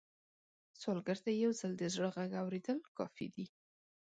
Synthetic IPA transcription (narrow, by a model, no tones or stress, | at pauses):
solɡaɾt̪ajawzald̪əzɽəɣaɡawɾed̪əlkɑfḭd̪i